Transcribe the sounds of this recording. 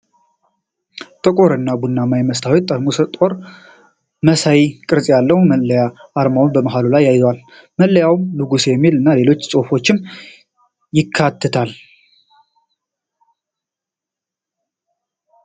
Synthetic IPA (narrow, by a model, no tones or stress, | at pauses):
t̪ʼəkʼo̞ɾɨnːabunːamajməst̪ʰawit̪ʼːamusət̪ʼo̞ɾ | məsajikʼɨɾsʼjalːəhməlːəjaːɾmawnbəməɦalulajːajzwal | məlːəjawmlɨɡusjɛmːilɨnːale̞lo̞t͡ʃːsʼo̞fo̞t͡ʃːɪm | jɪkʰːat̪ʰːɨt̪ʰal